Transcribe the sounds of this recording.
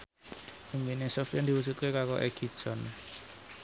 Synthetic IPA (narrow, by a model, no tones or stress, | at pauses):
ʔiŋbinesɔfjand̪i̤wusut̪̚kekakɔʔɛɡ̥i̥ʒ̥ɔn